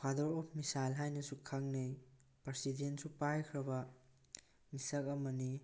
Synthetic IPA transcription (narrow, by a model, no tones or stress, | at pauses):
kʰwadɔɾɔpʰmisajlɦajnɐsukʰːaŋnej | pɐɾsidensupajkʰɾɐbɐ | misɐk̚ɐmɐni